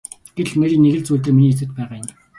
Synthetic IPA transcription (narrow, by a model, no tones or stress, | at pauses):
ɡ̥eɮmeɾʲĭnːeɣɘ̆ɮt͡suːɮt̪ɘ̆rminiːt͡sɘ̆t̪̚pæːʁaːjn